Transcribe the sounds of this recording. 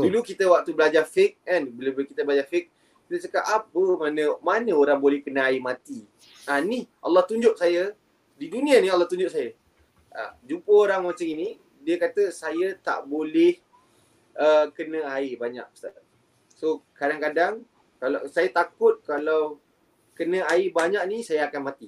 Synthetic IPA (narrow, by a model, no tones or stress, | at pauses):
dulukit̪əwak̚t̪ubəlad͡ʒafɪk̚anbəlubkit̪əbəlad͡ʒafɪk̚ | kit̪ət͡ʃəkapapəmanə̃manə̃oɾaŋbolɛhkənəaɪmat̪i | aniʔɑ̰lːɑht̪uɲd͡ʒʊʔ̚sajə | didunĩanialːɑht̪uɲd͡ʒʊʔ̚sajə | ʔa̰d͡ʒumpəoɾaŋmat͡ʃamini | diəkat̪əsajət̪a̰ʔbolɛh | ʔəkənə̃aɪbaɲa̰ʔ̚pə̥st̪a | sokadaŋkadaŋ | kalasajat̪akʊt̪̚kalaw | kənə̃aɪbaɲaʔ̚nisajəakanmat̪i